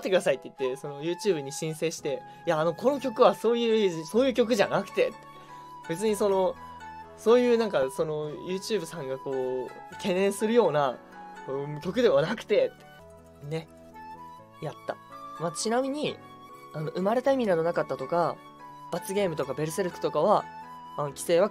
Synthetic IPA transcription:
t̪ːe̞kɯ̟d̪asait̪ːe̞i̥t̪ːe̞so̞no̞jɯ̟ːt͡ɕɨːbɯɲ̟iɕĩɰ̃se̞ːɕi̥t̪e̞ | jaːno̞kʰo̞no̞kʲo̞kɯ̟βaso̞ːjɯ̟ːso̞ːjɯ̟ːk̬ʲo̞k̬ɯ̟ʑanakɯ̟̥t̪e̞t̪ːe | b̥e̞t͡sɨɲ̟iso̞no̞ | so̞ːjɯ̟ːnãŋkaso̞no̞jɯ̟ːt͡ɕɨːbɯ̟sãŋɡako̞ːkʰẽ̞nːẽ̞ɰ̃sɨɾɯjo̞ːna | ɯkʲo̞kɯ̟d̪e̞βanakɯ̟̥t̪e̞t̪ːe | ne̞ | jat̪ːa̰mat͡ɕinamʲiɲ̟i | ano̞ʔɯ̟maɾe̞t̪aimʲinano̞nakat̪ːat̪o̞ka | b̥at͡sɨɡʲe̞ːmɯ̟t̪o̞kabe̞ɾɯse̞ɾɯkɯ̟̥t̪o̞kaβaː | no̞kʲi̥se̞ːβa

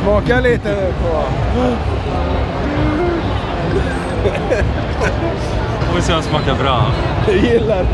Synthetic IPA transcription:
smɑːkaliːt̪əpʰo | foːvɪsɛːasmɑːkabɾɑːd̪ɛjɪlːaɾ

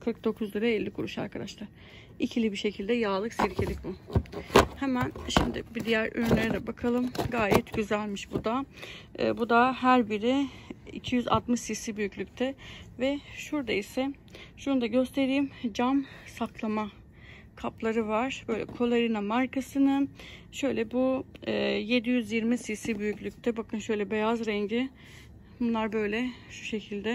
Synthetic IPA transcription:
kʰɯɾk̚d̪o̞kʰuzlˠɯɾaɛlʲːikʰuɾuʃa̰ɾkʰad̪aʃlˠaɾ̥ | icʰilʲibiʃe̞cʰilʲd̪ɛjaːlˠɯksiɾcʰed̪ʲic̚bu | hɛmænʃimd̪ɪ̰bid̪ijæɾʔy̰ɾynlʲeɾɛd̪ɛbakʰalˠɯmɡaːjɛt̪ɟyzælʲmiʃbud̪a̰ | bud̪aɦæɾbiɾi | ḭcʰijyza̰t̪mɯʃsisibyjycʰʲlʲyc̚t̪ʰɛvɛʃuɾd̪aisɛ | ʃund̪aɟø̞st̪ʰe̞ɾiːmd͡ʒamsakʰlˠama | kʰaplˠaɾɯvaɾ̥b̥ø̞jlʲɛ̰kʰo̞lˠeɾinamaɾkasɯnɯʃø̞jlʲɛbuɯːje̞d̪ijyzjiɾmisisibyjyclʲyc̚ʲt̪ʰɛbakʰɯnʃø̞jlʲɛbe̞jazɾɛɲɟɪ | bunlˠaɾbø̞jlʲɛʃu̥ʃe̞cʰilʲd̪ɛ

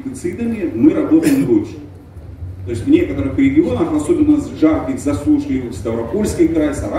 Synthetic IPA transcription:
t̪ʲɪt̪sɨd̪əmʲɪmɨɾɐbo̞t̪əjɪmɾut͡ʃɨ | t̪o̞ɪsʲvnʲe̞kət̪əɾɨxɾʲɪɡʲɪo̞nəxɐsobʲɪnːəsvʐarkʲɪxzɐslˠuʂkʲəjust̪ɐvɾɐpolʲskʲɪjkɾajsɐɾa

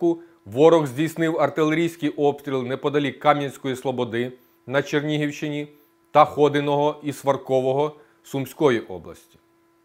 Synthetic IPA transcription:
kʊ | ʋɔɾɔɣzʲdʲijsnɪwɐrt̪ɪlˠeɾʲijsʲkɪjʔɔpst̪ɾʲilˠnɛpɔd̪ɐlʲikɑmʲjʲɐnʲsʲkɔjislˠɔbɔd̪ɪ | nɐt͡ʃernʲiɦiwʃɪnʲi | t̪ɐxɔd̪ɪnɔɦɔʔisʋɐrkɔʋɔɦɔ | sumsʲkɔjiʔɔ̰blˠɐ̰sʲtʲi̥

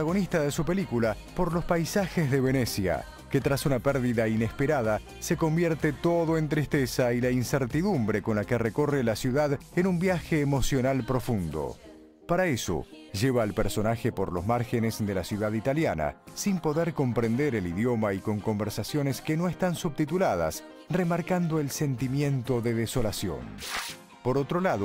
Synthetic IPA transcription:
aɣ̞o̞nist̪aðesupelikula | po̞ɾlo̞spajsaxezðeβenesja̰ | ket̪ɾasunapɛɾðiðainespeɾað̞a | se̞kombjeɾt̪et̪o̞ðoe̞nt̪ɾist̪esailainseɾt̪iðumbɾeko̞nlakereko̞relasjuðaðenumbjaxeːmo̞sjo̞nalpɾo̞fund̪o̰ | paɾaeso̰ʒeβaːlpeɾso̞naxepoɾlozmaɾxenezðelasjuðaðit̪aljana̰simpo̞ðeɾko̞mpɾend̪eɾeliðjo̞maiko̞ŋko̞mbeɾsasjo̞neskeno̞est̪ansuβt̪it̪ulað̞a̰s | remaɾkand̪o̞elsent̪imje̞nt̪o̞ðeðeso̞lasjo̰n | poɾo̞t̪ɾolaðo

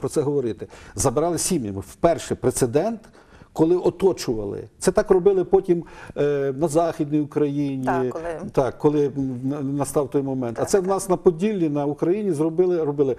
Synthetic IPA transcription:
pɾɔsɛɦɔʋɔɾɪt̪ɪzɐbɪɾɑlˠɪsʲimjɐ̰mɪwpɛrʃɛpɾet̪sed̪ɛnt̪ | kɔlˠɪʔɔt̪ɔt͡ʃʊʋɐ̰lˠɪ̰t̪sɛt̪ɑkrɔbɪlˠɪpɔtʲim | nɐzɑxʲid̪nijʊkɾɐjinʲit̪ɑkːɔlˠɪ | nɐst̪ɑwt̪ɔjmɔmɛnt̪ɐtsɛwnɑsnɐpɔdʲilʲːinɐukɾɐjinʲizrɔbɪlˠɪɾɔbɪlˠɪ

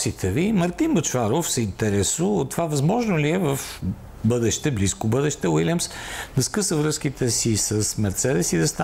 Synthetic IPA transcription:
sit̪ʰɛvimɐɾt̪inbət͡ʃvaɾofsɛint̪ɛɾɛsuːt̪ːovavɐzmɔʒnoliɛvəf | bɤd̪ɛʃt̪ɛbliskobɤd̪ɛʃt̪ɛwilʲjəmsd̪ɐskɤsəvɾɤsk̟it̪ʰɛsisəsmɛɾt̪sɛd̪ɛsid̪ɐst̪a

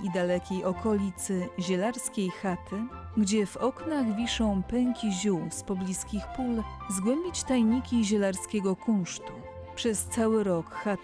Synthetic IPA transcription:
id̪alɛkʲejʔɔkɔlʲit̪sɘʑɛlaɾskʲejxat̪ʰɘ | ɡd͡ʑɛvɔknaɣvʲiʂɔ̃w̃pɛŋkʲiʑuwspɔblʲiskʲixpulzɡwɛmbʲit͡ɕt̪ajɲikʲiʑɛlaɾskʲɛɡɔkũʂt̪u | pʂɛst̪sawɘɾɔkxa

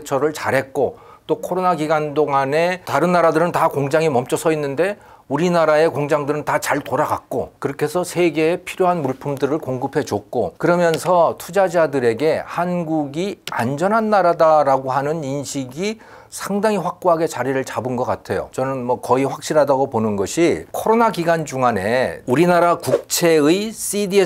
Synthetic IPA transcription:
t͡ɕʰʌɾɯɭt͡ɕaɾɦe̞t̚k͈o | t͈okʰoɾonaɡiɡandoŋane̞taɾɯnːaɾadɯɾɯntakoŋd͡ʑaŋimʌmt͡ɕ͈ʌsʰʌinːɯnde̞ | uɾinaɾae̞koŋd͡ʑaŋdɯɾɯntat͡ɕaɭtoɾaɡa̰k̚k͈o̰kɯɾʌkʰe̞sʰʌsʰe̞ɡe̞ːpʰiɾjoɦanmuɭpʰɯmdɯɾɯɭkoŋɡɯpʰe̞d͡ʑok̚k͈okɯɾʌmjʌnsʰʌtʰud͡ʑad͡ʑadɯɾe̞ɡe̞hanɡuɡia̰nd͡ʑʌnɦanːaɾadaɾaɡoɦanɯninɕʰiɡi | sʰaŋdaŋiɸwak̚k͈oɦaɡe̞t͡ɕaɾiɾɯɭt͡ɕabɯnɡʌk͈atʰe̞jo̰t͡ɕʌnɯnmʌkʌiɸwak̚ɕ͈iɾɦadaɡoponɯnɡʌɕʰikʰʌɾonaɡiɡand͡ʑuŋane̞uɾinaɾakuk̚t͡ɕʰe̞ɯis͈idie

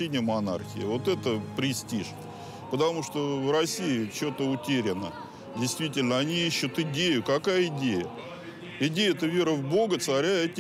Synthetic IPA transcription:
enʲɪjəmɐna̰rxʲɪ̰ɪ̰vo̞t̪ɛt̪əpɾʲɪsʲtʲiʂ | pət̪ɐmuʂt̪ovrɐsʲiɪt͡ɕot̪əʊtʲeɾʲɪnə | dʲɪjst̪vʲitʲɪlʲnəɐnʲijiɕːʊt̪ɪdʲejʊkɐkajəɪdʲejə | ɪdʲejəɛt̪əvʲe̞ɾəvbo̞ɡət̪sɐɾʲaɛt̪ʲɪ

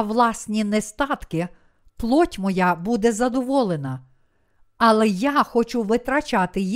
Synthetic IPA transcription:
ʋlˠɑsʲnʲinɛst̪ɑt̪kɪ | plˠɔtʲmɔjabud̪ɛzɐd̪ɔʋɔlˠenɐ | ɐlˠɛjaxɔt͡ʃuʋɪt̪ɾɐt͡ʃɑt̪ɪj

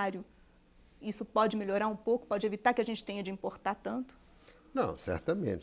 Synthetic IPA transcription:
aɾjʊ | isʊpɔd͡ʒɪmeʎoɾaɾũpowkʊ̥pɔd͡ʒɪevit̪aɾkɪɐʒẽnt͡ʃɪ̥t̪ẽɲɐd͡ʒɪĩpoɾt̪at̪ɐ̃nt̪ʊ̥ | nɐ̰̃w̃sɛ̰ɾt̪ɐmḛ̃nt͡ʃ

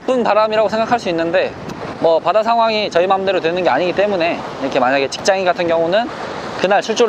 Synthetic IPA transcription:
p͈ɯnpaɾamiɾaɡosʰeŋɡakʰaɭs͈uinːɯnde̞ | mʌpadasʰaŋɦwaŋit͡ɕʌimamnde̞ɾotwe̞nɯnɡe̞aɲiɡit͈e̞mune̞ | iɾʌkʰe̞maɲaɡe̞t͡ɕi̥k̚t͡ɕ͈aŋiɡatʰɯnɡjʌŋunɯn | kɯnaɭsʰuɭt͡ɕ͈oɾ

